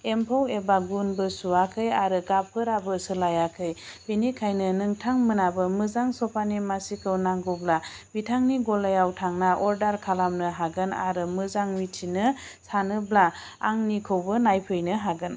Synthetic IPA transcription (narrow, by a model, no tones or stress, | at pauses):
empʰawebaɡunbɯsuakʰɯjaɾɯɡap̚ʰɯɾabɯsɯlajakʰɯjbenikʰajnɯnɯŋtʰaŋmɯnabɯmɯzaŋsɔpʰanimasikʰɯwnaŋɡublabitʰaŋniɡɔlajawtʰaŋnaʔɔɾdaɾkʰalamnɯɦaɡɯna̰ɾɯmɯzaŋmitʰinɯsanɯbla | a̰ŋnikʰɯwbɯnajpʰɯjnɯɦaɡɯn